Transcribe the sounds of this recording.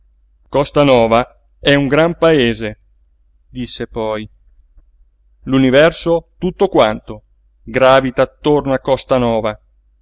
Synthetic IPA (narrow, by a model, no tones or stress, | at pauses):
kɔst̪anɔːva | ɛuŋɡɾampaeːze | d̪isːepɔj | lunivɛrsot̪ut̪ːokwant̪o | ɡɾaːvit̪aːt̪ːornoakːɔst̪anɔːva